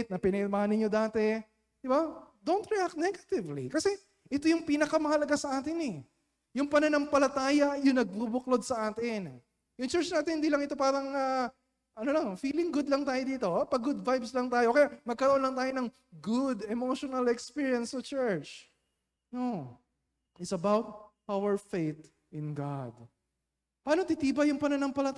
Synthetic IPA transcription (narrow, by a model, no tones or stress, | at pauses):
t̪̚nɐpɪnɛmahanɪɲod̪aːt̪ɛ | d̪̥ɪbad̪ownt̪ɹiak̚t̪nɛɡɐt̪ɪvlikɐsɛ | ʔɛt̪ojʊŋpiːnɐkɐmɐhɐlɐɡasɐʔaːt̪ɪnɛ | jʊŋpɐnɐnɐŋpɐlɐt̪aːjɐjʊŋnɐɡ̚bubʊklod̪̚sɐʔaːt̪ɪn | jʊŋt͡ʃɛɹt͡ʃnaːt̪ɪnhɪnd̪ilɐŋɪt̪o̞paːɾɐŋa | ʔɐnolɐŋfiːlɪŋɡʊd̪lɐŋt̪aːjod̪iːt̪o̞pɐɡʊd̪̚vajbslɐŋt̪aːjoʔokɛjamɐɡ̚kɐɾoʔonlɐŋt̪aːjonɐŋ | ɡʊd̪ɛmoʃonɐlɛkspiɹjɐnsɔt͡ʃɛɹt͡ʃ | no | ʔɪsɐbawt̪̚ | awəɹfejt̪ | ʔɪ̃nɡad̪̚ | pɐaːnot̪ɪt̪iːbɐjʊŋpɐnɐnɐŋpɐlɐt̪